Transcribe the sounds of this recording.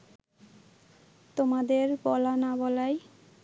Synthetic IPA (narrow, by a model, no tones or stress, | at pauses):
t̪omad̪eɾbɔlanabɔlaj